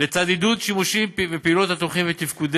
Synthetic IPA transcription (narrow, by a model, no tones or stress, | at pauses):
let͡sad̪id̪ut̪ʃimuʃimpvepeilot̪hat̪uχimvet̪ifkud̪